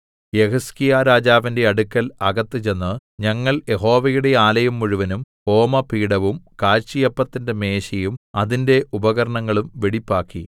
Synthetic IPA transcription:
jehɐskijaːɾaːd͡ʑaːʋinde̞ɐɽukːɐlɐɣɐt̪ːɨt͡ɕe̞nːɨɲɐŋːɐɭje̞ɦo̞ːʋɐjuɽe̞aːlɐjumːuɻuʋɐnumho̞ːmɐpiːɽɐʋumkaːɾt͡ɕijɐpːɐt̪ːinde̞me̞ːɕɐjumɐðinde̞ʔubɐɣɐɾɐɳɐŋːɐɭumʋeɽipːaːkːi

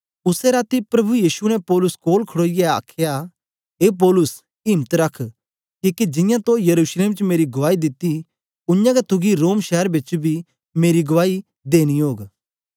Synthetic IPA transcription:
ʊsɛɾaːt̪ipɾɐbʱujiːʃunɛpɔːlʊskoːlkʰɐɽoːɪjɛa̰ːkʰja | ɦeːp̬ɔːlʊs | ɪ̃mət̪ɾɐkʰ | kikid͡ʒɪjãt̪õjɐɾuːʃleːmt͡ʃmeːɾiɡʊʋaːid̪ɪt̪i | ʊnjãɡɛt̪ʰʊɡiɾoːmʃɛəɾbɪt͡ʃbʱi | meːɾiɡʊʋaːi | d̪eːñiɦoːɡ

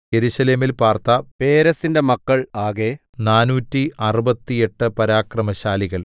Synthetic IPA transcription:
je̞ɾuɕɐle̞ːmilpaːrt̪ɐpe̞ːɾɐsinde̞mɐkːɐɭaːɣe | naːnuːtːiʔɐrubɐt̪ːie̞ʈːɨpɐɾaːkrɐmɐɕaːliɣɐɭ

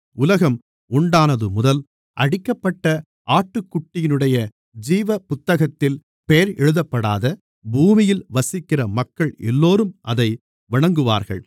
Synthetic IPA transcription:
ʊlɐɣɐm | ʊɳɖaːnɐðɯmʊðɐl | ʔɐɽɪkːɐpːɐʈːɐ | ʔaːʈːɯkːʊʈːɪjɪnɯɽɐjɐ | d͡ʒiːʋɐpʊt̪ːɐɣɐt̪ːɪl | pejɐɾɛɻɯðɐpːɐɽaːðɐ | buːmɪjɪlʋɐsɪkːɪrɐmɐkːɐɭɛ̰lːoːɾɯmʔɐðɐɪ | ʋɪɳɐŋɡɯʋa̰ːɾɣɐ̰ɭ

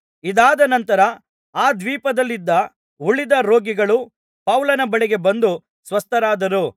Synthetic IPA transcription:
id̪aːd̪ɐnɐnt̪ɐɾɐ | aːd̪ʋiːpɐd̪ɐlːid̪ːɐ | uɭid̪ɐɾo̞ːɡiɡɐɭu | pɐwlɐnɐbɐɭiɡe̞bɐnd̪u | sʋɐst̪ɐɾaːd̪ɐɾu

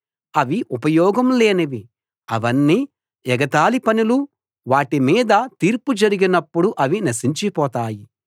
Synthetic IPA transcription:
ɐʋiʔupɐjɔːɡɐmleːniʋi | ɐʋɐnːiː | ɛɡɐt̪aːlipɐnilu | ʋaːʈimiːd̪ɐt̪iːɾpud͡ʒɐɾiɡinɐpːuɽuʔɐʋinɐsiɲt͡ʃipɔːt̪aːji

